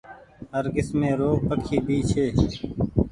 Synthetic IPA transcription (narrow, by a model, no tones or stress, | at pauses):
ɦəɾɡɪsmẽːɾoːpəkʰiːbʱiːt͡ʃʰeː